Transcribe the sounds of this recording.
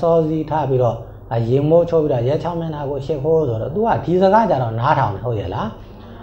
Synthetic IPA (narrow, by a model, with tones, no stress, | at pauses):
sɔ˦zi˦tʰa̰˦˨pi˦ɾɔ˨ | ə˨jɪ̃˨mo˦˨t͡ɕʰo˦˨pːi˦ɾɔ˦˨jɛ˦˨t͡ɕʰã˦ʊ̃mjã˦˨na˨ɡo˨ʃɪ˦˨pʰo˦sʰo˨ɾɔ̰˦˨t̪u˨a̰˦˨di˨zə˨ɡa˦˨t͡ɕa˦ɾɔ̃˨na˦tʰã̰˨ʊ̃nɛ˨ɦo˦˨ʔjɛ̰˨la˨˦